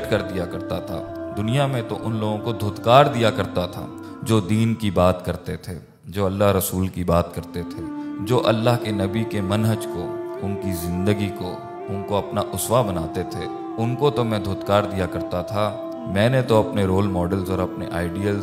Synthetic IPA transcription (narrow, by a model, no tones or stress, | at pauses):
ʈkɐɾd̪ijakɐɾt̪at̪ʰa̰ːd̪ʊnijamẽt̪oʔʊnloːɡõkod̪ʱoːt̪kaːɾd̪ijakɐɾt̪at̪ʰa̰ː | d͡ʒoːd̪iːnkibaːt̪kɐɾt̪et̪ʰeː | d͡ʒoːɐlːaɦɾɐsuːlkibaːt̪kɐɾt̪et̪ʰed͡ʒoːʔɐlːaɦkenɐbikemɐnɦəd͡ʒkoʊnkizɪ̃nd̪əɡiko̰ | ʊnkoɐpnaʔʊswabɐnaːt̪et̪ʰeː | ʊnkot̪omɛ̃d̪ʱoːt̪kaːɾd̪ijakɐɾt̪at̪ʰa | mɛ̃ːnet̪oɐpneɾoːlmɔːɖəlzɔːɾɐpneʔaːɪɖijəlz